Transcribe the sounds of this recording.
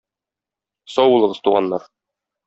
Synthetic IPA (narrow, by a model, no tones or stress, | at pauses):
sɒwbulˠɤ̆ʁɤzt̪uʁɑnːɑɾ